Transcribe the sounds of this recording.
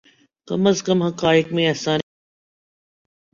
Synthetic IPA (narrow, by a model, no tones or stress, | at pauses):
kɐ̰məzkəmɦɐkaːɪkmẽɐsãː